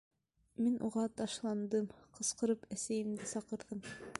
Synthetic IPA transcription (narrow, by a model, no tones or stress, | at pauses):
minʔṵʁɑt̪ɑʃlˠɑnd̪ɤmqɤ̆sqɤ̆ɾɤpæsæjɘ̆md̪ɘsɑqɤ̆ɾðɤm